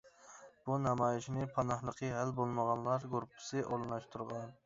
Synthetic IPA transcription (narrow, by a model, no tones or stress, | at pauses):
b̥unɑmɑjɪʃʰinɪpʰɑnɑhlˠəqʰəɦælbolˠməʁɑnlˠɑɾɡoɾpʰɪ̥sɪʔolˠnɑʃt̪ʰuɾʁɑn